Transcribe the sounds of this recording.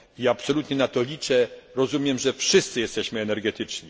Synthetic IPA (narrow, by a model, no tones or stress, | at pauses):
iaapsɔlut̪ɲɛnat̪ɔlʲit͡ʂɛɾɔzumʲjɛmʐɛfʂɘst̪sɘjɛst̪ɛɕmɘɛnɛɾɡɛt̪ɘt͡ʂɲi